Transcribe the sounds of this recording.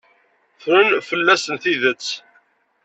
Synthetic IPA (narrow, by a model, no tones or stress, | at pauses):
θɾunfəlːæsənθiðət͡sː